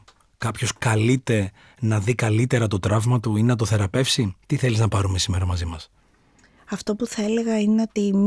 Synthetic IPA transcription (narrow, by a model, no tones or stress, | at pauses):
kɐpço̞skɐlit̪e̞ | nɐðikɐlit̪e̞ɾɐt̪o̞t̪ɾɐvmɐt̪uinɐt̪̬o̞θe̞ɾɐpe̞fsit̪iθe̞liznɐpɐɾumesime̞ɾɐmɐzimɐs | ɐft̪o̞puθɐele̞ɣɐineo̞t̪im